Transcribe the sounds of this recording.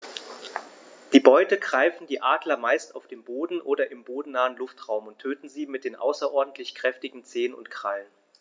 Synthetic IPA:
d̥iːbɔʏtəɡʁaɪfn̩diːʔaːdlɐmaɪstaʊfd̥eːmboːdn̩ʔoːɾɐʔɪmboːdn̩naːənlʊftʁ̥aʊmʊntʰːøːtn̩ziːmɪt̚d̥eːnʔa̰ʊsɐʔɔɐdn̩tʰlɪçkʁ̥ɛftɪɡŋ̩t͡seːənʊ̰ntkʁ̥alən

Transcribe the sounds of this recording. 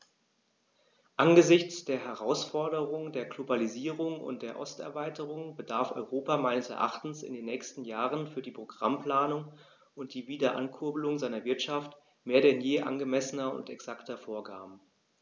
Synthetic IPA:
ʔanɡəzɪçt͡sd̥eːɐɦɛʁaʊsfɔɐɾəʁʊŋdeːɐɡlobaliziːʁʊŋʊ̰nt̚d̥eːɐʔɔstɛ̰ɐvaɪtəʁʊŋbədaɐfʔɔ̰ʏʁoːpamaɪnəsɛ̰ɐʔa̰χtn̩sɪ̰ndeːnːɛːçstn̩jaːʁənfyːɐdiːpʁ̥oɡ̥ʁampl̥aːnʊŋ | ʔʊnt̚d̥iːviːdɐʔa̰nkʰʊɐbəlʊŋzaɪnɐvɪɐtʃaft | meːɐɾɛnjeːʔa̰nɡəmɛsənɐʊ̰ntɛ̰ksaktɐfoːɐɡa̰ːbm̩

